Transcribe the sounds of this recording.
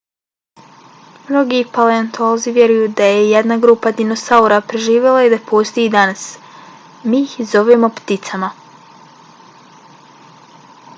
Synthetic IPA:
mno̞ɡipaleant̪ʰoːziʋje̞ɾujud̪aje̞je̞d̪naɡɾuːpad̪ino̞sauɾapɾe̞ʒiːʋje̞lˠaed̪apʰost̪ojid̪anas | miːxzo̞ʋemo̞pt̪it̪sama

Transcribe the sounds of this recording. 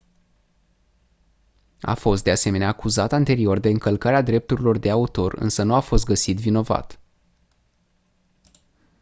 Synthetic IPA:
a̰fo̞s̬t̪̚d̪e̞ase̞me̞neaːkuzat̪ant̪e̞ɾio̞rd̪e̞ɨŋkəlkaɾead̪ɾe̞p̚t̪uɾilo̞rd̪e̞aut̪o̞rɨ̰nsənuafo̞st̪̚ɡəsit̪vino̞va̰t̪

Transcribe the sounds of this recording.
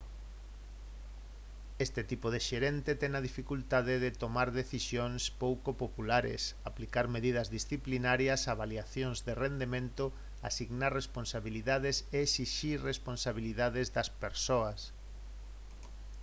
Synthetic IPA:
est̪et̪ipoð̞eʃeɾent̪et̪ɛnaðifikult̪aðeðet̪omaɾðeθisjoŋspowkopopulaɾḛsaplikaɾmeðiðɐzðisθiplinaɾjɐsaβaljaθjoŋzðerend̪emẽnt̪o | a̰siɣnaɾresponsaβiliðað̞eseesiʃiɾresponsaβ̞iliðaðezðɐspeɾsoɐs

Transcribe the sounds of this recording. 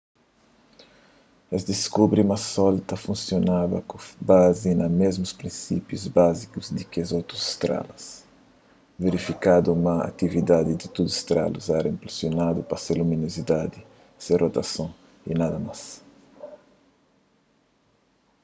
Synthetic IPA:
ezd̪iskubɾiumɐsɔlt̪ɐfũnsjonavɐ̰kobazinɐmezmuspɾĩsḭpjuzbazikuzd̪ɪkazowt̪ɾuz̥st̪ɾa̰lɐs | veɾifikad̪uumɐa̰t̪ivid̪ad̪id̪ɪt̪ud̪uz̥st̪ɾa̰luzɛɾɐĩmpɾesjonad̪upɐseluminozid̪ad̪i | serʔot̪ɐsõ | inad̪ɐmas

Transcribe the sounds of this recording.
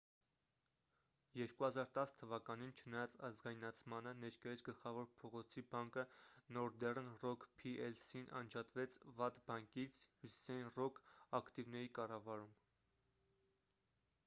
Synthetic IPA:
jɛɾkuhɑzɑɾt̪ɑst̪ʰəvɑkɑnint͡ʃʰənɑjɑt͡sɑzɡɑjnɑt͡sʰmɑnənɛɾkɑjɑt͡sʰɡəlχɑvɔɾpʰɔʁɔt͡sʰibɑŋkənɔɾd̪ɛrnrɔkʰpʰiʔɛlsinʔɑ̰nd͡ʒɑt̪vɛt͡sʰvɑt̪bɑŋkit͡sʰhjusi̥sɑjinrɔkʰɑkʰt̪ivnɛɾikɑrɑvɑɾum

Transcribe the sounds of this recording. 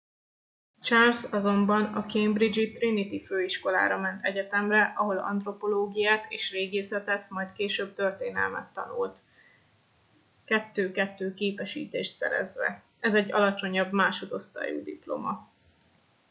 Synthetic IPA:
t͡ʃalsɒzo̞mbɒnɒkejmbrid͡ʒit̪rinit̪iføːiʃko̞la̰ːɾɒmɛnt̪ɛɟɛt̪ɛmrɛʔɒɦo̞lɒ̰nt̪ro̞po̞loːɡijaːt̪eːʃreːɡeːsɛt̪ɛt̪mɒjt̪keːʃøːb̚t̪ø̞rt̪eːnɛ̰lmɛ̰t̪ːɒ̰nṵlt̪ | kɛt̪ːøːkɛt̪ːøːkeːpɛʃḭːt̪eːʃt̪sɛ̰ɾɛ̰zʋɛ̰ | ɛzɛɟːɒ̰lɒt͡ʃo̞ɲɒbmaːʃo̞d̪o̞st̪a̰ːjṵːd̪ḭplo̞̰mɒ

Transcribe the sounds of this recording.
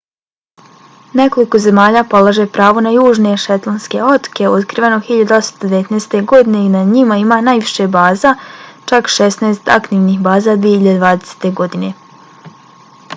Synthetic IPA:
ne̞ko̞liko̞ze̞maːʎapo̞laʒe̞pɾaːʋonajuːʒne̞ʃet̪lˠonske̞̰o̞t̪ke̞od̪kɾiʋenoxiʎad̪o̞sḁmst̪od̪eʋet̪neːst̪e̞ɡo̞d̪ine̞inaɲimaimanajʋiʃebaːzat͡ʃakʃesnaest̪a̰kt̪iʋnixbaːzad̪ʋijehiʎad̪ed̪ʋaːd̪ese̥t̪e̞ɡo̞d̪ine̞

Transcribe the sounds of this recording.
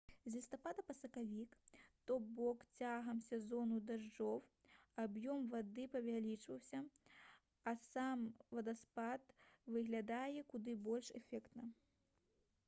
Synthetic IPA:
zʲlʲist̪apad̪ɐpɐsɐkavʲikt̪ɔbɔkt͡sʲaɦɐmsʲɛzɔnud̪aʐd͡ʐɔw | abjɔmvad̪ɨpɐvʲalʲit͡ʂvɐwsʲɐ | ɐsamvɐd̪aspat̪vɨɣlʲad̪ajɛkud̪ɨbɔlʲʂɛfʲɛkt̪nɐ

